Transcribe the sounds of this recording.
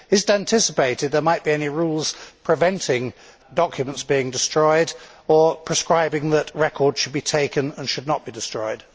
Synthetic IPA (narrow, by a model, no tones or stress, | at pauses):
ɨzɪtæ̃ntʰɪsəpeɪɾɨd̪̚ðə˞maɪt̚b̥iɛniɹulˠz̥pʰɹ̥ɨvɛ̃ntʰɪ̃ŋ | dɑkʰjɨmə̃ntsb̥iɪ̃ŋdɨstɹ̥ɔɪɾə˞pʰɹ̥ɨskɹaɪbɪ̃ŋðəʔɹɛkʰɔɹdz̥ʃɨd̚bitʰeɪkɨ̃nə̃nʃɨdⁿnət̚b̥idɨstɹ̥ɔɪd̥